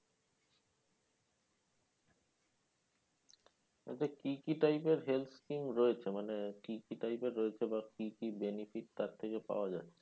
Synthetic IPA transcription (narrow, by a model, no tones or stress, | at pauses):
ḛʈekikiʈajpeɾɦelt̪ʰskimɾɔet͡ɕʰemanekikiʈajpeɾːoet͡ɕʰebakikibenifiʈ̚t̪aɾt̪ʰekepa̰oad͡ʑa̰tːʰe